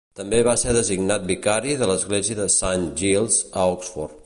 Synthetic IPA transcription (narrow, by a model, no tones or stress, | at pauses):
t̪əmbeβaseðəziɡnat̪̚bikaɾiðələzɣleziəðəsanʒilˠzəɔksfɔ̰rt̪